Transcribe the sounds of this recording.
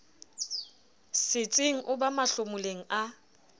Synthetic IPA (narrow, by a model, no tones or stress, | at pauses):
sɪt͡sʼɪŋ̩ʔʊbamaɬʊmʊleŋ̩a